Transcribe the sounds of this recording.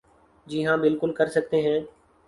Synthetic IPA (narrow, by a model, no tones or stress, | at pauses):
d͡ʒiːɦãːbɪlkʊlkəɾsək̚t̪eːɦɛ̃ː